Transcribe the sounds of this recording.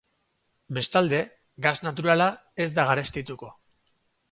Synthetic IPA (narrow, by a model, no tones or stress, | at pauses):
be̞st̪ald̪e̞ | ɡaznat̪̬uɾalae̞zd̪aɣaɾest̪it̪uko̞